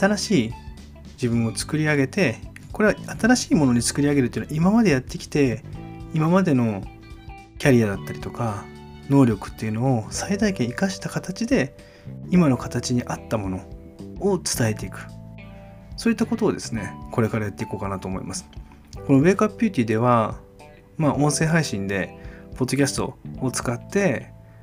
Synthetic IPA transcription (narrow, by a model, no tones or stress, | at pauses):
at̪aɾaɕiː | d͡ʑibɯ̟̃ɰ̃o̞t͡sɨ̥kɯ̟ɾʲiaɡe̞t̪e̞ | ko̞ɾe̞βaat̪aɾaɕiːmo̞no̞ɲ̟it͡sɨ̥kɯ̟ɾʲiaɡe̞ɾɯ̟t̪ːeinoimamad̪e̞jat̪ːe̞kʲi̥t̪e̞imamad̪e̞no̞ | kʲaɾʲiad̪at̪ːaɾʲit̪o̞ka | no̞ːɾʲo̞kɯ̟̥t̪ːe̞iɯ̟no̞osaid̪aikẽikaɕi̥t̪akat̪at͡ɕid̪e̞ | imano̞kat̪at͡ɕiɲ̟iʔat̪ːamo̞no̞ | ot͡sɨ̥t̪ae̞t̪e̞ikɯ̟̥ | so̞ːit̪ːako̞t̪o̞ːd̪e̞sɨne̞ko̞ɾe̞kaɾajat̪ːe̞iko̞ːkanat̪o̞ːmoḭmasɨ̥ | ko̞no̞βe̞ːkapʲːɯːt̪ʲiːd̪e̞β̞a | maʔõ̞ɰ̃se̞ːɦaiɕĩnd̪e̞po̞d̪ːo̞kʲasɨ̥t̪o̞ːt͡sɨ̥kat̪ːe̞